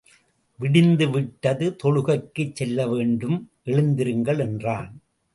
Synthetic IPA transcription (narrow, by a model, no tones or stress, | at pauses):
ʋɪɽɪnd̪ɯʋɪʈːɐðɯt̪ɔɻɯɣɐɪkːɯt͡ʃsɛlːɐʋeːɳɖɯmʔɛɻɯnd̪ɪɾɯŋɡɐɭɛndraːn